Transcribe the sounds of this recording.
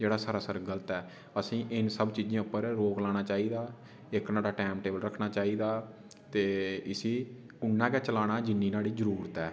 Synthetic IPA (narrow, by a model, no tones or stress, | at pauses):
d͡ʒeːɽaːsəɾaːsəɾɡələt̪ɛː | əsĩːʔɪnsəbt͡ʃiːd͡ʒãːʊpːəɾɾoːklaːɽ̃aːt͡ʃaːiːd̪aː | ɪknaːɽaːʈɛːmʈeːbəlɾəkʰnaːt͡ʃaːiːd̪aː | t̪eːɪsiː | ʊnːãːkɛːt͡ʃəlaːɽ̃aːd͡ʒɪnːiːnaːɽiːzəɾuːɾt̪ɛː